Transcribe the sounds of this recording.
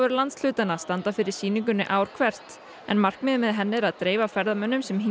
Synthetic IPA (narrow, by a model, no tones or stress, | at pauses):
ʏɾʏlant̪sl̥ʏːt̪anast̪ant̪afɪɾɪɾ̥siːniŋk̬ʏnːʏʔaːwɾ̥kʰvɛr̥t̪ | ɛ̰nmar̥kmɪðmɪðɦɛnːɪɾaðt̪ɾeːjvafɛɾðamœnːʏmsɛmɦi